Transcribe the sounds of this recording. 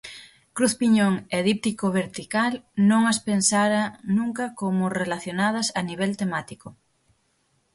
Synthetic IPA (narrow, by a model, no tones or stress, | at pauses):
kɾuθpiɲoŋeðip̚t̪ikoβeɾt̪ikalnõŋaspensaɾanũŋkɐkomʊrelaθjonað̞ɐsaniβ̞ɛlt̪emat̪iko